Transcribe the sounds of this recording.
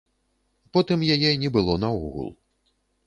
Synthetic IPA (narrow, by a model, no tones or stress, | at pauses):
pɔt̪ɨmjajɛinʲɛbɨlˠɔnɐɔɣṵlˠ